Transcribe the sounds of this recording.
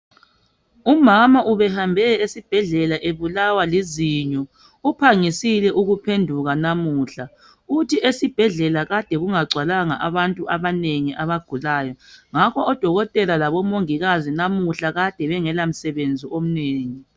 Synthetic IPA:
umamaʔuβɛhambʱɛesib̥ʱɛɮɛlaʔeβulawaliziɲɔ | upʰaŋisilɛʔuɣupʰendʱuɣanamuːɬa | utʰiʔesib̥ʱɛɮɛlaɣad̥ʱɛɣuŋaɡ͡ǀʱwalaŋa̰ʔaβantʼuʔaβaneŋiʔaβaɡ̥ʱulaːjɔŋakʰɔʔɔd̥ʱɔɣɔtʼɛlalaβɔmoŋiɣazinamuɬaɣad̥ʱɛβɛŋɛlam̩sɛβend͡zʱiom̩neːŋi

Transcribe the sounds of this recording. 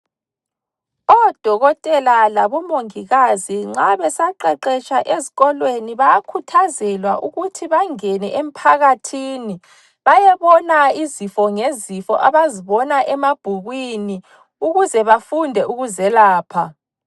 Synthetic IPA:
ɔd̥ʱɔɣɔtʼɛlalaβɔmoŋiɣaziŋ͡ǁaβɛsaǃɛǃɛt͡ʃʰʼaʔeziɣɔlweniβajakʰutʰazɛlwaʔuɣutʰiβaŋɛnɛʔem̩pʰaɣatʰini | βajɛβɔnaizifɔŋezifɔ̰ʔaβaziβɔnaʔɛmab̥ʱuɣwini | uɣuzɛβafundʱɛʔuɣuzɛlaːpʰa

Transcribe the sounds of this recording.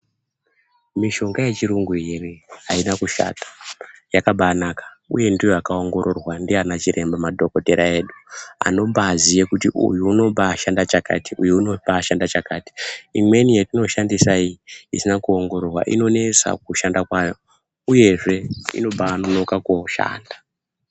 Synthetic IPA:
miʃo̞ŋɡaje̞t͡ʃiɾuŋɡueriainakuʃa̰tḁjakaɓanakḁ | uje̞ndijojakao̞ŋɡo̞ɾo̞rwandianat͡ʃiɾe̞mbamadʱo̞ko̞te̞ɾae̞ːɗua̰no̞mbaːzijekutiʔṵjuuno̞baːʃandat͡ʃaka̰tiujuuno̞paʃandat͡ʃakaːti̥imwe̞nijetino̞ʃandisaiiisinakuo̞ŋɡo̞ɾorwa̰ʔḭno̞ne̞t͡sa̰k̚uʃandakwajo | uje̞ʐe̞ḭno̞ɓaːno̞no̞kakoʃa̰ːnda

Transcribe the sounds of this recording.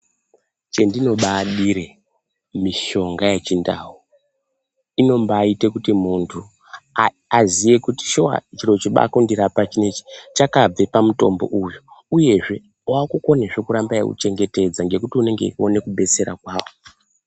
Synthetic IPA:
t͡ʃe̞ndino̞ɓaɗiɾe | miʃo̞ŋɡaje̞t͡ʃinda̰ɦu | ino̞mbaite̞kutimuntʰu | azije̞kuti̥ʃowa̰t͡ʃiro̞t͡ʃiɓa̰kundiɾapat͡ʃine̞t͡ʃi̥t͡ʃakab͡vepamuto̞̰mbo̞̰ʔujuuje̞ʐe̞ | wakuko̞ne̞ʐe̞kuɾambajḛkṵt͡ʃe̞ŋɡe̞te̞d͡zaŋɡe̞kutiune̞ŋɡe̞̰o̞ne̞kuɓe̞t͡se̞ɾa̰kwaːwo

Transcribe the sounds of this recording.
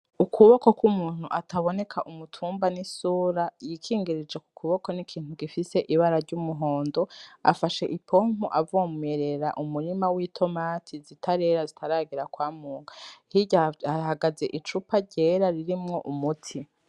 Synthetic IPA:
ukuβokokwumuːn̥huʔatʰaβo̞ne̞kʰaʔumutʰuːmbanisuːɾajikʰiːŋɡiɾid͡ʒeku̥kuβoko̞nikʰiːn̥huɡifise̞ʔiβaɾaɾɟumuɦo̞ːndo̞a̰faʃe̞ʔipʰo̞m̥uʔavomueɾe̞ɾa̰ʔumuɾimawiːtʰo̞matʰizitʰaɾe̞ɾazitʰaɾaɡiɾakwaːmuːŋɡahiɟaahaɡaze̞ʔit͡ʃupaɟeːɾaɾiɾimŋo̞ʔumutʰi

